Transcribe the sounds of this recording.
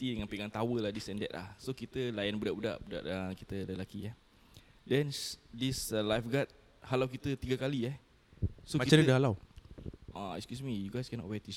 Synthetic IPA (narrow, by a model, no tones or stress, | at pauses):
t̪idəŋanpiɡaŋt̪awəlahdisɛndɛ̰t̪̚la̰hsokit̪əlajanbudaʔbuda̰ʔbuda̰ʔəkit̪ələlakiɛh | dɛndislajfɡat̪̚ | halawkit̪ət̪iɡakaliɛh | soakit͡ʃadəhalaw | ʔaɛ̰kskjusmijuɡajskɛnɔ̰ʔwɛt̪i